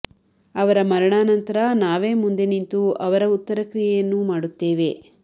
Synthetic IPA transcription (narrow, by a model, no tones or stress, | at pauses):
ɐʋɐɾɐmɐɾɐɳaːnɐnt̪ɐɾɐnaːʋe̞ːmund̪enint̪uɐʋɐɾɐut̪ːɐɾɐkɾijɛjɐnːumaːɽut̪ːe̞ːʋe̞